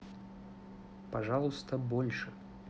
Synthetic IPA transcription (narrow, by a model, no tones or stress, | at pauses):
paʐalˠust̪ɐbɔlʲʂɨ